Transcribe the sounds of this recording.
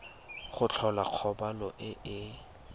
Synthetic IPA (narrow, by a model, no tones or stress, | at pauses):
χʊt͡ɬʰɔlaq͡χʰɔbalɔʔɪɪ